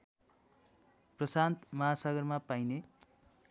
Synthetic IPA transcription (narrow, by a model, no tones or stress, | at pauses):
prʌsant̪mʌɦasʌɡʌrmapajne